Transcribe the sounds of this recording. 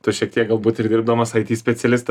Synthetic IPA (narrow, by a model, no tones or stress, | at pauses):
t̪ʊʃʲiɛk̚t̪ʲiɛkɡɐlˠbuːt̪ɪɾd̪ʲɪɾbd̪omɐsɐɪt̪ʲiːsʲpʲɛsʲɛlʲɪst̪ɐ